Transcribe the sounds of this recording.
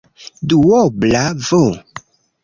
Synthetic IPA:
duwɔblavo

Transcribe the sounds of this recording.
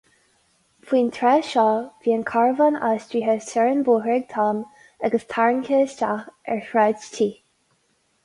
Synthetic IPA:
fʰwiːnt̪ʰɹɛːʃɔːviːənkʰaɹvana̰stɹiːɦəsɛɹənbuːɦɹɛɡ̚t̪ʰɑːm | aɡəstʰaɹnkʰeːstaɛ̰ɹhɹatʰiː

